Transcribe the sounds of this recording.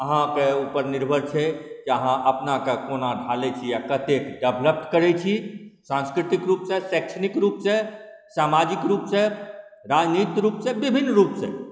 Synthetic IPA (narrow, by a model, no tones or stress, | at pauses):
əɦãkeupəɾniɾbʱəɾt͡ʃʰɛkiəɦãʔəpnakekonaɖʱalet͡ʃʰijakət̪ekɖəbʱləp̚t̪kəɾɛt͡ʃʰisãnskɾit̪ikɾuːpsẽsɛkʃʰənikɾuːpsẽsamad͡ʒikɾupsẽɾad͡ʒnit̪ɾuːpsẽbibʱinːɾupsḛ̃